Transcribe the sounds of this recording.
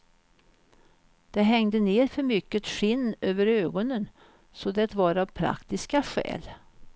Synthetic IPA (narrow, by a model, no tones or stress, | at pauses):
d̪̥ɛɦɛŋd̪əneːɾfœɾmʏkːət̪ʂɪnːøːvəɾøːɡɔnən | sɔd̪ɛt̪vɑɾavpʰɾa̰kt̪ɪskaɧɛ̰ːl